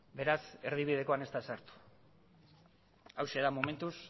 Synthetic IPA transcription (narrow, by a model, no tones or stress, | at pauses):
be̞ɾase̞ɾð̞iβið̞e̞ko̞ane̞st̪asaɾt̪u̥ | awseðamome̞nt̪us